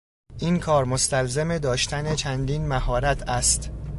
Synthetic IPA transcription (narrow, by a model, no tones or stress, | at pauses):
ʔiːnkʰɒːɾmost̪ælzemed̪ɒːʃt̪ʰæne̞t͡ʃʰænd̪iːnmæhɒːɾæt̪ʰæst̪